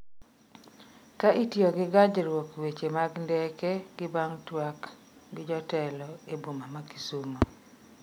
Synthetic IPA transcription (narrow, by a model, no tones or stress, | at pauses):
kaʔitjoɡɪɡad͡ʒɾwokwet͡ʃemaɡndɛkɛɡɪbaŋtwak | ɡɪd͡ʒɔtɛlɔebumamaki̥sumo